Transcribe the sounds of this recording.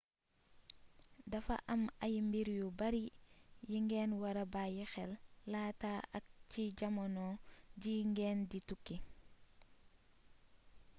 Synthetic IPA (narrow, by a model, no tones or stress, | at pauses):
dɐfa̰ʔɐmɐjmbiɾjubaɾijiŋɡɛːnwaɾabajɛxɛlːataʔɐk̚ciɟamonɔːɟiŋɡɛːnditukːi